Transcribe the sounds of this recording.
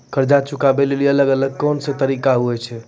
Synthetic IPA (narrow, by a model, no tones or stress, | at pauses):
kəɾd͡ʒat͡ʃukabeliliələɡələɡ̚konsət̪əɾikaɦuɛt͡ʃʰɛ